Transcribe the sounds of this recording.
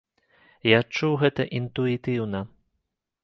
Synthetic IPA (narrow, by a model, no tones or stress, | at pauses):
jat͡ʂːuwɣɛt̪ɐʔint̪uit̪ɨwnɐ